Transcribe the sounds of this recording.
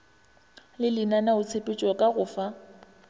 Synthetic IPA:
lɪlɪnanaʊt͡sʰepʼɪt͡ʃʼɔkʼaɣʊːfa

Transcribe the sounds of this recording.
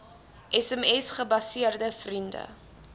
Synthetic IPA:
ʔɛsɛmɛsχəbɐsiərdəfrində̰

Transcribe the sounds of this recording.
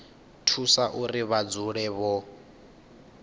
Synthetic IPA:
tʰusaʔuriβad͡zuɺɛβɔ

